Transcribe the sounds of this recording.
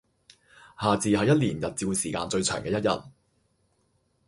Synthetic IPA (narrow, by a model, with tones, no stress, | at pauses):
haː˨t͡siː˨ɦɐ˨jɐ˥t̚liː˨˩njɐ˨t̚t͡siː˧wsiː˨˩kaː˧nt͡ʃɵ˧ɥt͡ʃʰœː˨˩ŋkɛː˧jɐ˥t̚jɐ̰˨t̚